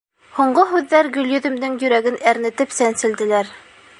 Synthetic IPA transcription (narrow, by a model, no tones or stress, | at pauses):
huɴɢoɦʉðːæɾɡɵ̆ljɵ̆ðɘ̆md̪ɘŋjɵ̆ɾæɡɘnæɾnɘ̆t̪ɘpsænsɘ̆ld̪ɘ̆læɾ